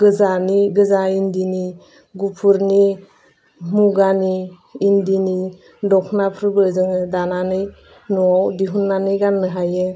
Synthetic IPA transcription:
ɡɯzaniɡɯzaindini | ɡupʰuɾni | muɡaniː | ndini | dɔkʰnapʰɾbɯzɯŋɯdananɯj | nɔawdiɦunːanɯjɡanːɯɦajɯ

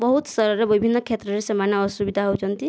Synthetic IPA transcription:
bɔɦut̪sɔɾɔɾebibʱinːɔkʰet̪ɾɔɾesemaneɔsubid̪ʱaɦowt͡ʃʰɔnt̪i

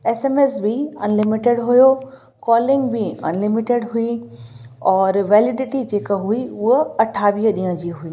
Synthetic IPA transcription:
eːsemeːsbɪɐnlɪmɪʈeɽɦʊjo | kɔːlɪ̃ŋɡbɪɐ̰nlɪmɪʈeɖɦui | ɔːɾʋɛːlɪɖɪʈid͡ʑeːkaɦuiʊɦəɐʈʰaːʋiːɦəɗiːə̃d͡ʑiːɦuiː

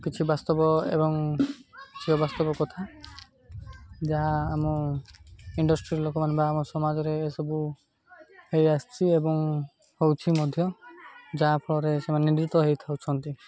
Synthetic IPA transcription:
kit͡ʃʰibast̪ɔbɔḛbɔŋ | kit͡ʃʰiɦɔbast̪ɔbɔkɔt̪ʰa | d͡ʒaɦaːmɔ | iɳɖɔsʈɾiɾlokɔmanbaːmɔsɔmad͡ʒɔɾeːsɔbu | hejast͡ʃʰiebɔŋ | howt͡ʃʰimɔd̪ʱjɔd͡ʒaɦapʰɔɭɔɾesemanid̪ɾit̪ɔɦejt̪ʰawt͡ʃʰɔnt̪i

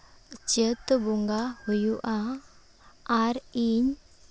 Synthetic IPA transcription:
t͡ɕət̪bɔŋɡahujuʔa | ɾiɲ

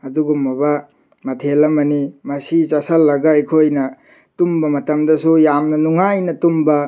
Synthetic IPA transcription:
ɐduɡumːɐbɐ | mɐtʰelɐmɐnimɐsit͡ʃɐsɐlːɐɡɐɐjkʰojnɐ | tumbɐmɐtɐmdɐsujamnɐnuŋajnɐtumbɐ

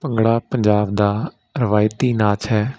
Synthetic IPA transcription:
pəŋɡɽaːpəɲd͡ʒaːbd̪aː | ɾəʋaːɪt̪̚ːiːnaːt͡ʃɦɛː

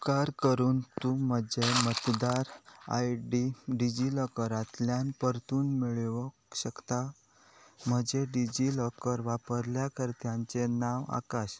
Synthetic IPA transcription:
kaɾkəɾuːnt̪um̤əd͡ʑemət̪d̪aɾa̰jɖiɖid͡ʑiləkəɾat̪ljãnpəɾt̪uːnmiɭʋəkɕəkt̪a | m̤əd͡ʑeɖid͡ʑiləkəɾʋapəɾljakəɾt̪jãɲt͡senaʋa̰kaɕ

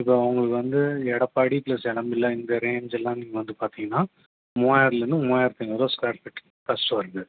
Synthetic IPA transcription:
ɪpːoːɐʋɐŋɡɐɭɯkːɯʋɐnd̪ɯɛɽɐpːɐɽiplɐsɛɽɐmbɪlːɐɪnd̪ɐɾeːd͡ʒɛlːãːniːŋɡɐʋɐnd̪ɯpaːɾt̪iːŋɡɐnːaː | moːjaːɾlɐnːɯmoːjaɾt̪ːiŋɡɐɾoːskaːɾʈpɪʈː | pɐsʋɐɾɯðɯ

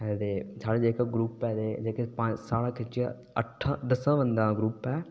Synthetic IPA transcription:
ɛt̪eːsaːɽed͡ʒeːkaɡɾuːpɛːd̪eːd͡ʒeːkepãsaːɽãːkʰɪt͡ʃijã̰ | əʈʰːãːd̪əsãːʋə̃nd̪ãːɡɾuːpɛː

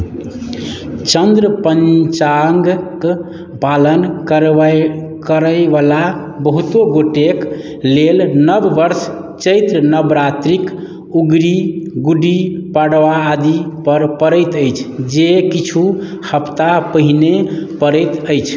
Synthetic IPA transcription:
t͡ʃənd̪ɾəpənt͡ʃaŋɡk | palənkəɾ | kəɾəʋala | bəɦut̪oɡoʈek | lelnəbːəɾs | t͡ʃəjt̪ɾənəbɾat̪ɾik | uɡɾiɡuɖipaɽʋaːd̪ipəɾpəɾəjt̪əjt͡ʃʰd͡ʒekit͡ʃʰu | həpt̪apəɦinepəɾəjt̪əjt͡ʃʰ

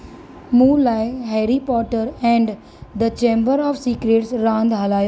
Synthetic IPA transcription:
muːlaːɪɦɛɾipɔːʈəɾɛ̃ɳɖ | d̪ət͡ʃẽːmbəɾɔːʋsiːkɾeːʈsɾãːnd̪ɦɐlaːjo

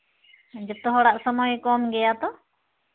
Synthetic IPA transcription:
d͡ʒəp̚t̪ɔɦɔɽaʔsəmɔjkɔmɡɛjat̪ɔ

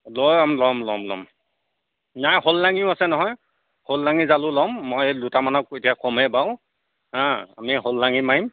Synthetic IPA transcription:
lojamlɔmlɔmlɔ̰m | najholːaŋiʊasɛnɔɦɔj | holːaŋizalʊlɔmːojdutamanɔk̚etijakʰɔmɛbaʊ̃ | ãa̰miɦolːaŋimaɦim

